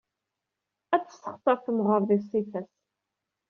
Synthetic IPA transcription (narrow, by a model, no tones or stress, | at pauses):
æt͡sːə̥sə̥χt̪ˤɑθəmʁəɾðisˤifæs